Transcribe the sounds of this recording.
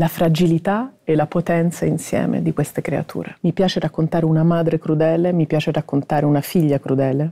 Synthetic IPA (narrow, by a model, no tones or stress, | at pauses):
lafɾad͡ʒilit̪aɛlapot̪ɛnt̪sainsjɛ̰ːmḛd̪ikwest̪ekɾḛa̰t̪ʰṵːɾemipjaːt͡ʃeɾakːont̪aːɾeunamaːd̪ɾekɾud̪ɛːlemipjaːt͡ʃeɾakːont̪aːɾeunafiʎːakɾud̪ɛːle